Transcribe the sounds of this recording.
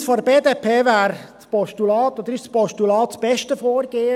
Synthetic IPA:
sfɔdəbeːd̪eːpʰeːʋæːɾt͡spɔʃtulɑːt̪ɔd̪əɾɪʃt͡spɔʃtulɑːt̪̚sb̥ɛʃtəfoːɾɡ̥eːə

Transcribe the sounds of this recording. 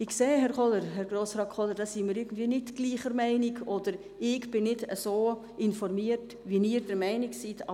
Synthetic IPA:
ɪkseːɦɛɾχʰɔləɾɦɛɾɡɾoːsɾɑːk̚kʰɔləɾdɑsimiːɾɪɾɡən̩d̥viːnɪtɡ̥liːχəɾmæɪniɡɔd̥əɾ | ɪɡb̥ɪnɪdəsoː | ɪnfɔɾmiːət | ʋiniːɾd̥əɾmɛɪnɪksitɑ

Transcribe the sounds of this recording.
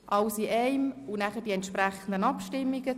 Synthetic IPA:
ʔɑwsiʔɛɪmʊnæχəd̥iɛnt̪ʃpɾæχənd̪ənɑpʃtɪmːiɡə

